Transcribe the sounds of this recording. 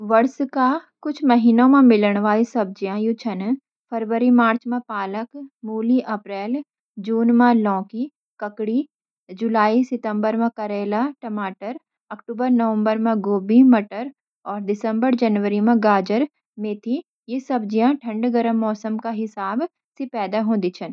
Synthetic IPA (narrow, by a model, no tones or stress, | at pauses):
ʋɐɾskakʊt͡ʃʰmɐɦiːnõmẽmɪləɽ̃ʋaːisɐb̚d͡ʒijãjʊt͡ʃʰən | pʰəɾʋəɾimaːɾt͡ʃmẽpaːləkmuːliʔɐpɾɛːl | d͡ʒuːnmãlɔ̃ːki | kɐkɽi | d͡ʒʊlaːisɪt̪ə̃mbəɾmẽkɐɾeːlaʈɐmaːʈəɾ | ɐkʈuːbəɾnəʋə̃mbəɾmẽɡoːbimɐʈəɾ | ɔːɾd̪ɪsə̃mbəɾd͡ʒɐnʋəɾimẽɡaːd͡ʒəɾ | mẽt̪ʰi | jesɐb̚d͡ʒijãʈʰɐ̃ɳɖɡəɾəmːɔːsəmkaɦɪsaːb | sepɛːd̪aɦõd̪it͡ʃʰən